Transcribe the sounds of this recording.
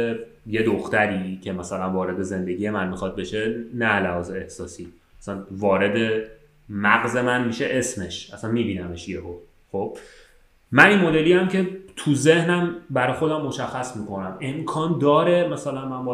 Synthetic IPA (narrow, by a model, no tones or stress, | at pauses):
je̞d̪oxt̪æɾiːcʰe̞mæsælænvɒːɾe̞d̪e̞ze̞nd̪e̞ɟije̞mænmixɒd̪̚be̞ʃe̞nælæhɒːzeːhsɒːsiː | æsænvɒːɾe̞d̪e̞ | mæɣze̞mænmiːʃe̞ʔe̞sme̞ʃʔæsænmiːbiːnæme̞ʃjeʔo | xo̞b̥̚ | mæninmo̞d̪e̞liːæmcʰe̞t̪ʰuze̞hnæmbæɾɒːjxo̞d̪æmːo̞ʃæxːæsmiːkʰo̞næme̞mkʰɒːnd̪ɒːɾe̞mæsælænmænbɒ